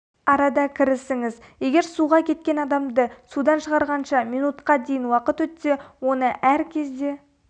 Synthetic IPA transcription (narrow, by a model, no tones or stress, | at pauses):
ɑɾɑd̪ɑkʲʰɪɾɪsɪŋɪzje̞ɡʲe̞ɾsuʁɑkʲʰe̞t̪̚kʲe̞nɑd̪ɑmd̪əsud̪ɑnʃəʁɑɾʁɑnʃɑmijnut̪qɑd̪e̞jɪnwɑqət̪wɵt̪se̞wo̞nəʔæɾkʲʰe̞zd̪e̞